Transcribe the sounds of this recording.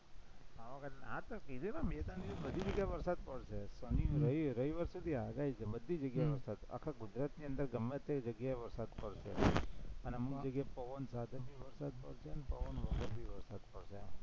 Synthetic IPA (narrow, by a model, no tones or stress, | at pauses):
aʋakʰət̪at̪əkiɾenamet̪ad̪iəsbəd̪ʱid͡ʒəɡjaeʋəɾsad̪̚pəɽʃesəniɾəiɾəiʋəɾsud̪ʱiaɡait͡ʃʰebəd̪ʱːid͡ʒəɡjaeʋəɾsad̪a̰kʰaɡud͡ʒɾat̪niənd̪əɾɡəmʋet̪ekd͡ʒəɡjaeʋəɾsad̪pəɽʃḛəneəmukd͡ʒəɡjaepəʋənsad̪ʱəbiʋəɾsad̪̚pəɽʃeənepəʋənʋəkəɾbʱiʋəɾsad̪̚pəɽʃe